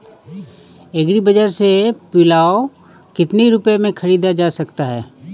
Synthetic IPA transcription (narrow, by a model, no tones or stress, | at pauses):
eɡɾibəd͡ʒəɾsepiːlaːo | kɪt̪neiɾʊpjemẽkʰɐɾiːd̪ad͡ʒaːsɐkt̪aɦɛː